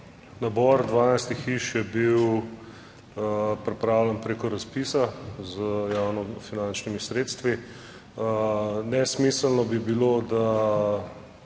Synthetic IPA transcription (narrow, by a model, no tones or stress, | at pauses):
nabɔɾd̪ʋaːnajst̪ixiʃjɛbiw | pɾipɾawlɛnpɾekɔɾaspiːsazəjawnɔfinant͡ʃnimisɾeːt̪st̪ʋi | nɛsmisəlnɔbibilod̪a